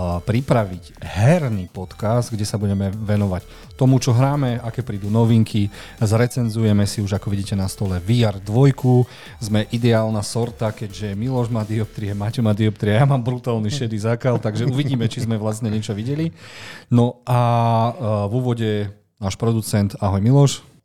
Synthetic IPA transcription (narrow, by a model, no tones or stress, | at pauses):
pɾipɾaʋiɟɦɛɾnipɔt̪kasd̪ɡɟɛsabuɟɛmɛʋɛnɔʋac | t̪ɔmut͡ʃɔɦɾaːmɛakɛːpɾiːd̪uːnɔʋiŋkʰizɾɛt͡sɛnzujɛmɛsiuʒakɔʋiɟiːcɛnast̪ɔlɛʋiaɾd̪ʋɔjku | zmɛʔid̪ɛaːlnasɔɾt̪akɛɟʒɛmilɔʒmad̪iɔp̚t̪ɾiɛmaːcɛmad̪iɔp̚t̪ɾiɛjaːmaːmbɾut̪aːlniʃɛd̪izakalt̪aɡʒɛuʋiɟiːmɛt͡ʃizmɛʋlast̪ɲɛɲɛt͡ʃɔʋiɟɛlinɔʔa | vuːʋɔɟɛ | naːʃpɾɔd̪ut͡sɛnt̪aɦɔjmilɔʃ